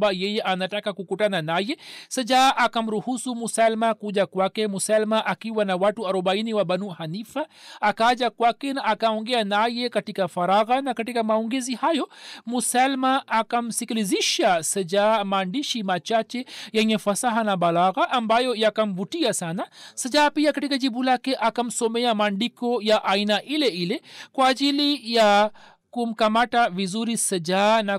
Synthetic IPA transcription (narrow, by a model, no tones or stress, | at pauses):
bajɛjeʔanatakakukuʈananajesɐd͡ʒaʔakamɾuhusumusalmakud͡ʒakwakemusalmaʔakiwanawaʈuaɾɔbainiwabanuhanifaːkad͡ʒakwakenaːkaɔŋɡɛanajekɐʈikafaɾaɣanakɐʈikamaɔŋɡezihajomusalmaʔːkam̩sikiliziʃasɐd͡ʒamaɳɖiʃimat͡ʃaːt͡ʃejɐŋẽfɐsaɦanabɐlaːɣaʔɐmbaːjojakɐmbuʈijasaːnasəd͡ʒaːpijakɐʈikad͡ʒibulaːkeʔakɐmsomejamaɳɖikojaʔainaʔileilekwaːd͡ʒilija | kumkɐmaʈaʋizuɾisəd͡ʒaːna